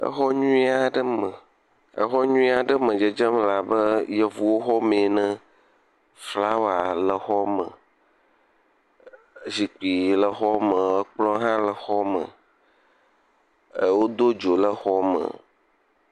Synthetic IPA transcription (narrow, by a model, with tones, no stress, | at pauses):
ə̰˦xɔ˦ɲũ˦i˦a˨ɖə˦mə˨ | ə̰˦xɔ˦ɲũ˦ĩ˦a˨ɖə˦mə̃˨d͡ʒə˨d͡ʒə˦mla˨bə˦jə˨vu˨wo˦xɔ˦mẽ˨nə̃˦ | fla˦wa˨lə˨xɔ˦mə̰̃˨ | zi˨k͡pi˨lə˨xɔ˦mə˨ə˦k͡plɔ̃˦ɦã˦lə˨xɔ˦mə̰̃˨ | wo˦d̪o˦d͡ʒo˨lə˦xɔ˦mə̰̃˨